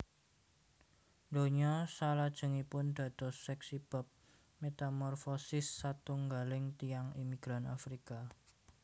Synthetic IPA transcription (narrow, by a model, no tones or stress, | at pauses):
nd̪oɲɔsalad̥ʒ̥ə̤ŋipʊnd̪̥ä̤d̪̥ɔsːɛksib̥ə̤p̚ | met̪amɔrfɔsɪsːat̪uŋɡalɪŋt̪ijaŋimiɡ̥ɾana̰fɾika